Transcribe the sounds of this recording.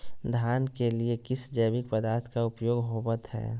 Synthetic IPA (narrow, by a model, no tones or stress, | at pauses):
d̪ʱjaːnkeliekɪsd͡ʒəbɪk̚pəd̪aːɾt̪ʰkaʊpjoːɡɦobət̪ɦɛ̰ː